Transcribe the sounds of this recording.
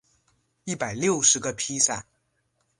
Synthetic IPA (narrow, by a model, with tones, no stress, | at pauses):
i˥˩pa˨˩ɪljo˥˩ʊʂɻ̩˧˥ɡə˧pʰi˥sa˥˩n